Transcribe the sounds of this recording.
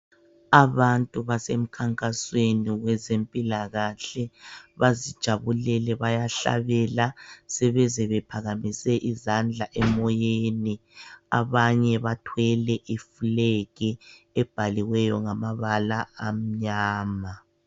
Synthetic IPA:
aβantʼuβasem̩kʰaŋkʼasweniɣwɛzempʼilaɣaɬɛβazid̥ʒ̥ʱaβulɛlɛβajaɬa̰βɛlasɛβɛzɛβɛpʰaɣamisɛʔizand͡ɮʱaʔɛmɔjeːnia̰βaɲɛβatʰwɛlɛʔifuleɣi | ɛb̥ʱaliwɛjɔŋamaβalaːm̩ɲaːma

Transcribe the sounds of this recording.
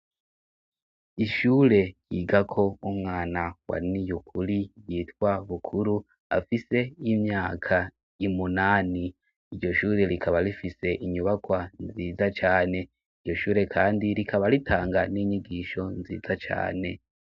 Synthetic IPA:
iʃuːɾe̞jiːɡakʰo̞umŋaːnawa̰nijukʰuɾijiːtwaβukʰuɾu | a̰fise̞imɲaːkʰa | imunaːni | iɾɟo̞ʃuːɾe̞ɾikʰaβaɾifise̞ʔiɲuβakwanziːzat͡ʃaːne̞ | iɾɟo̞ʃuːɾe̞kʰaːndiɾikʰaβaɾitʰaːŋɡaniːɲiɡiːʃo̞nzḭːzat͡ʃa̰ːne̞

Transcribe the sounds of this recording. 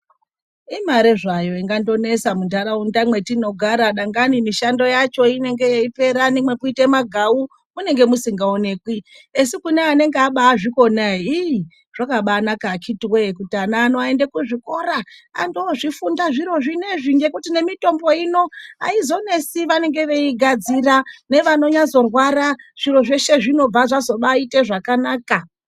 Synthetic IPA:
imaɾeʐajo̞iŋɡando̞ne̞samundʱaɾaundamwe̞tino̞ɡʱaɾaɗaŋɡanimiʃando̞jat͡ʃo̞ine̞ŋɡejeipe̞ɾanimwe̞kuitemaɡʱawu | mune̞ŋɡe̞musiŋɡaone̞ːkwi | esikuneane̞ŋɡeaɓaːʐiko̞nai | ʐ̥akaɓaːnakaːkʰitiwekutianaːnoaendekuʐiko̞ɾaa̰ndoʐifundaʐiɾo̞ʐine̞ʐiɲɡe̞kutine̞mito̞mbo̞ino̞a̰izo̞ne̞siʋane̞ŋɡe̞ʋe̞iɡʱad͡zirane̞ʋano̞ɲazo̞rwaɾaʐ̥iro̞ʐe̞ʃe̞ʐino̞b͡vaʐazo̞ɓaite̞ʐakanaːka

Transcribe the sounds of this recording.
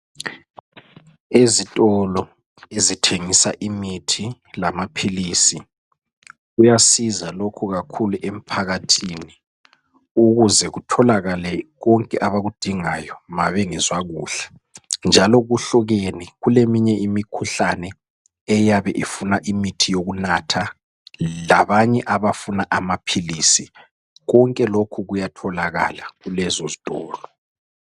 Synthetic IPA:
ezitʼɔlɔ | ezitʰeŋisa̰ʔimitʰi | lamapʰiliːsi | ɣujasizalokʰuɣakʰuluʔem̩pʰaɣatʰiːni | uɣuzɛɣutʰɔlaɣalɛɣɔŋkʼɛʔaβaɣud̥ʱiŋajɔmaβɛŋɛzwaɣuːɬɛ̥ | nd͡ʒʱalɔɣuɬɔɣeniɣulemiɲɛʔimikʰuɬanɛ | ɛjaβɛʔifunaʔimitʰijoɣunatʰa | laβaɲɛʔaβafunaʔamapʰiliːsi | ɣɔŋkʼɛlokʰuɣujatʰɔlaɣa̰laɣulɛzozitʼɔːlɔ

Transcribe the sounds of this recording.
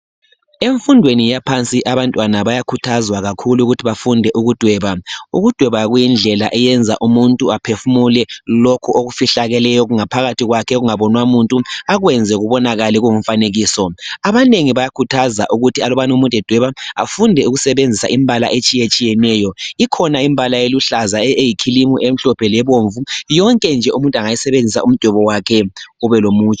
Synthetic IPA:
eɱfundʱwenijapʰant͡sʼiʔaβantʼwanaβajakʰutʰazwaɣakʰuluɣutʰiβafundʱɛʔuɣud̥ʱwɛːβauɣud̥ʱwɛβaɣujind͡ɮʱɛlaʔɛjɛnd͡zʱa̰ʔumuntʼuapʰefumulɛlokʰuʔoɣufiɬaɣɛlɛjɔɣuŋapʰaɣatʰiɣwakʰɛɣuŋaβɔnwamuntʼuaɣwɛnd͡zʱɛɣuβɔnaɣaliɣuŋuɱ̩faneɣiːsɔaβaneŋiβajakʰutʰaza̰ʔuɣutʰialɔβanumuntʼɛd̥ʱwɛβaa̰fundʱɛuɣusɛβend͡zʱisa̰ʔimbʱala̰ʔet͡ʃʼijet͡ʃʼijɛnɛːjɔikʰɔnaimbʱalajeluɬazaejikʰilimuʔem̩ɬɔpʰɛlɛβoɱvujɔŋkʼɛnd͡ʒʱɛumuntʼaŋajisɛβend͡zʱisa̰um̩d̥ʱwɛβɔwakʰɛɣuβɛlomuːt͡ʃʰʼɛ

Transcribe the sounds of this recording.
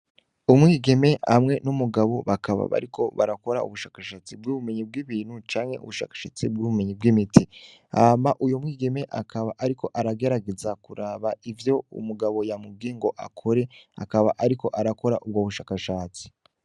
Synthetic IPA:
umŋiːɡe̞me̞a̰mŋe̞numuɡaβo̞βakaβa̰βa̰ɾikʰo̞βa̰ɾako̞ɾa̰ṵβuʃaːkaʃaːt͡sib̚ɡuːβume̞ɲib̚ɡiːβiːnhut͡ʃaːŋhe̞ṵβuʃa̰ːkḁʃa̰ːt͡sib̚ɡuːβume̞ɲibɡimitiamaʔujomŋiːɡe̞me̞ʔakaβaʔaɾikʰo̞ʔaɾaɡe̞ɾaɡe̞zakuɾaːβaivjo̞ṵmuɡaβo̞jamub̚ɡiːŋɡo̞ʔa̰kʰo̞ɾe̞a̰kaβa̰ʔaɾiko̞ʔaɾako̞ɾaʔub̚ɡoːβuʃaːkaʃaːt͡si̥

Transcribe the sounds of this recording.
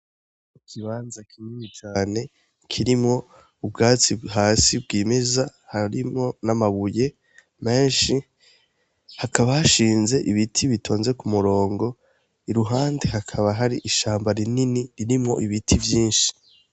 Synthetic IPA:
ikʰiβaːnzakʰimiɲit͡ʃaːne̞ | kʰiɾimŋo̞ | ub̚ɡaːt͡siɦaːsib̚ɡiːmezahaɾimŋo̞namaβuje̞ | me̞ːnʃi | hakʰaβahaʃiːnze̞ʔiβitʰiβitʰo̞ːnze̞kumuɾo̞ːŋɡo̞ | iɾuɦaːndeɦakʰaβaɦaɾiʔiʃaːmbaɾininiɾiɾimŋo̞̰ʔiβitʰivjiːnʃi̥

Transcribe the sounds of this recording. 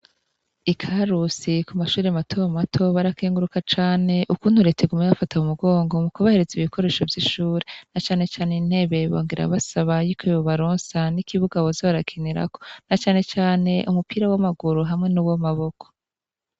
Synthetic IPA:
ikʰaɾusikumaʃuːɾeamatʰo̞βamatʰo̞βaɾakeːŋɡuɾukat͡ʃaːne̞ʔukuːn̥huɾe̞teɡumeβafataumuɡo̞ːŋɡo̞mukoβahe̞ɾeziβiko̞ɾe̞ːʃo̞vjiʃuːɾe̞nat͡ʃaːne̞t͡ʃaːnein̥he̞βe̞βo̰ːŋɡiɾa̰βasaβajikʰoiβoβaɾoːnsanikiβuɡaβozaβaɾakʰineɾa̰ko̞nat͡ʃaːne̞t͡ʃaːne̞ʔumupiɾawamaɡuɾuɦamŋe̞nuwomaβo̞kʰo̥

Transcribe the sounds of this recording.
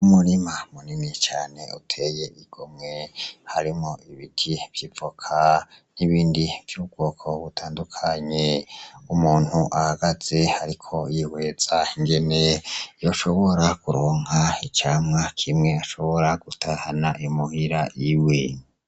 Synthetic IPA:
umuɾimamuninit͡ʃaːne̞utʰeje̞ʔiɡ̥omŋe̞haɾimo̞ʔiβitʰiv̥jivokʰaniβiːndivjuːb̚ɡo̞ːkʰo̞βutʰaːndukʰaɲeumuːn̥huʔahaɡaz̥e̞haɾikʰo̞jiwe̞ːz̥aiŋɡe̞ne̞jo̞ʃo̞βo̞ɾakuɾoːŋhait͡ʃaːmŋakʰimŋe̞aʃo̞βo̞ɾaɡ̥utʰahanaʔimuhiɾaʔiwe

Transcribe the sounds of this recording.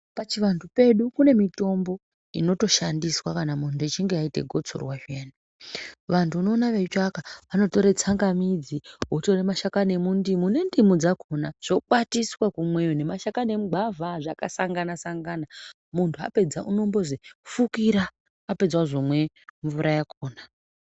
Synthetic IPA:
pat͡ʃiʋantʰupe̞ɗukune̞mito̞mbo̞ | ino̞to̞ʃandiswakanamuntuet͡ʃiŋɡeaite̞̰ɡʱo̞t͡so̰rwaʒeːna | ʋantʰuuno̞ːnaʋe̞t͡ʃakaʋano̞to̞ɾet͡saŋɡamid͡ziɦoto̞remaʃakane̞mundimune̞ndimud͡zakonaʐ̥ok͡patiswakumwejone̞maʃakane̞muɡ͡bʱavʱaʐakasaŋɡanasaŋɡana | muntʰua̰pe̞d͡zaʔuno̞mbo̞zefukiɾaː | pe̞d͡zwaʐomwe̞ | ɱvuɾajakoːna

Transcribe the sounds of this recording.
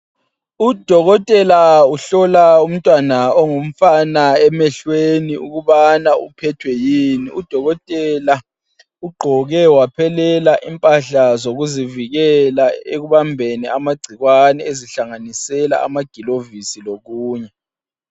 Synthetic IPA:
ud̥ʱɔɣɔtʼɛlauɬɔlaum̩tʼwanaɔŋum̩fanaɛmɛɬweniṵɣuβanaṵpʰɛtʰwɛjiniud̥ʱɔɣɔtʼɛla | uɡ͡ǃʱɔɣɛwapʰɛlɛlaʔimpʼaɬazoɣuziviɣɛlaeɣuβambʱeniamaɡ͡ǀʱiɣwanɛeziɬaŋanisɛla̰a̰maɡ̥ʱilovisiloɣuːɲɛ

